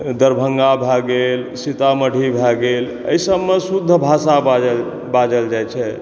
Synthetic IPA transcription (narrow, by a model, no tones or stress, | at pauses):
d̪əɾbʱəŋɡabʱaɡelsit̪aməɽ̤ʱibʱaɡel | ə̰isəbːesud̪ʱːəbʱasabaə | bad͡ʒəld͡ʒajt͡ʃʰɛ